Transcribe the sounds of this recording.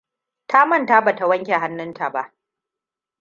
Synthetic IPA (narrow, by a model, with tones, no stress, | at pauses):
tʰa˦mɐ˦˨nta˦ba˨ta˦wɐ˦ŋkʲe˨ɦa˦nːɪ˦nta˨ba˦ʔ